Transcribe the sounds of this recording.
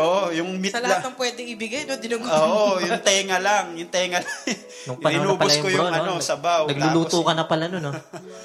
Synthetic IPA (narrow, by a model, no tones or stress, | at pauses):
ʔoʔojʊŋmisɐlɐlaɐt̪ɐŋpwɛːd̪ɛŋɪbɪɡajnod̪ɪnuɡoːʔojʊŋt̪ɛːŋɐlaŋjʊŋt̪ɛːŋɐlŋ | nʊŋpɐnɐɪnuɐːpɐʊɐjɐkojʊnɐnosɐbaw̪ɐɡlʊluːt̪okɐnɐpɐlɐnono